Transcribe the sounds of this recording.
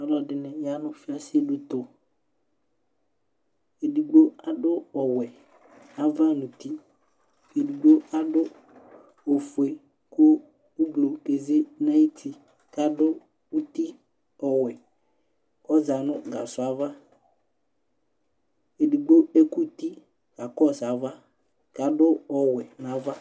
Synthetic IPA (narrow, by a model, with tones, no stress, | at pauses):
a˨lɔ˨dɪ˨nɛ̃˨ja˨˦nʊ̃˦fɪ˦a˦sɪ˦e˦dʊ˦t̪ʊ˨ | e˨di˨ɡ͡bo˦a˨dʊ˦ɔ˨wɛ˨ | a˨va˦nʊ̃˨t̪i˦ | e˨di˨ɡ͡bo˦a˦dʊ˦ | o˨fu˨e˨ | kʊ˦ | ʊ˦blo˨ke˨ze˦na˦i˦tʰi˦ | ka˨dʊ˦ | u˦ti˦ | ɔ˨wɛ˨ | ɔ˦za˨nʊ˦ɡa˨sʊ˨a˨˦va˦ | e˨di˨ɡ͡bo˦e˦ku˦ti˦ | ka˨kɔ˦˨sa˨˦va˦ | ka˨dʊ˦ɔ˨wɛ˨na˨˦va˦